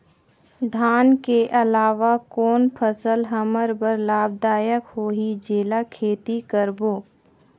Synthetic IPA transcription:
d̪ʱaːnkeʔɐlaːʋakɔːnpʰəsəlɦəməɾbəɾlaːb̚d̪aːjəkhoːɦid͡ʒeːlakʰeːt̪ikəɾboː

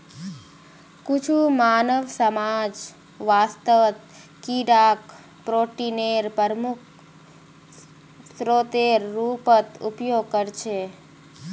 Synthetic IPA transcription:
kʊt͡ʃʰumaːnəʋsəmaːd͡ʒ | ʋaːst̪əʋt̪̚ | kiɖaːk | pɾoːʈineɾpəɾmuk̚ʰ | sɾoːt̪eɾːuːpət̪ṵpjoːɡ̚kəɾt͡ʃʰe

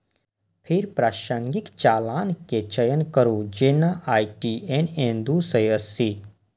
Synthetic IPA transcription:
pʰiɾpɾaːʃəŋɡikt͡ʃaːlaːnket͡ʃəjənkəɾud͡ʒenaʔaːiʈienẽnd̪usəjəsi

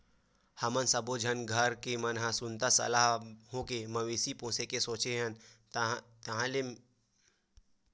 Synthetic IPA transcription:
hɐmənsəbod͡ʒʱənɡʱəɾkemɐnɦãsʊnt̪asə̰laɦɦõkemɐʋeːsipõːsekesoːt͡ʃeɦən | t̪ɐɦãle

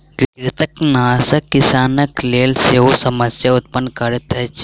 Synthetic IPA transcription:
kɾkɾɪt̪əknaːsɐkːisaːnəkleːlseosɐməsjaʊt̪̚pənkɐɾət̪ɦɛt͡ʃ

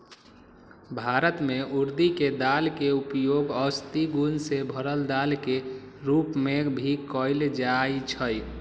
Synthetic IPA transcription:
bʱaɾət̪meʔuɾd̪iked̪alkeupjoɡəst̪iɡunsebʱəɾəld̪alke | ɾupmebʱikəɪld͡ʒajt͡ʃʰəj

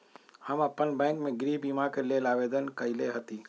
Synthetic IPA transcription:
həməpənbɛ̃ːŋkmẽɡɾiːbimakelelaːʋed̪ənkəɪleɦət̪i

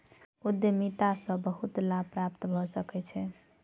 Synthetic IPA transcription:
ud̪emit̪asə̃bəɦut̪lapɾapt̪bʱɔsəkɛt͡ʃʰɛ

